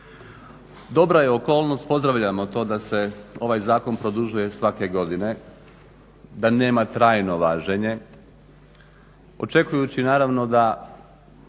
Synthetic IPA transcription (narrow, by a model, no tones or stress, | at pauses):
d̪o̞bɾaje̞oko̞ːlˠno̞st̪̚po̞zd̪ɾaʋʎamo̞t̪o̞ːd̪ase̞o̞ʋajzaːko̞npɾo̞d̪uʒuje̞sʋake̞ɡo̞d̪ine̞ | d̪ane̞ːmat̪ɾaːjno̞ʋaːʒeɲe̞ | o̞̰t͡ʃe̞kujut͡ɕinaːɾaʋno̞d̪a